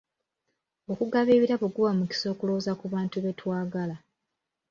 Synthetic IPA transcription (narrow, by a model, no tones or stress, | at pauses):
o̞kuɡaβiβiɾaβuɡuβamuci̥so̞ːkuloːzakuβaːntuβe̞twaːɡala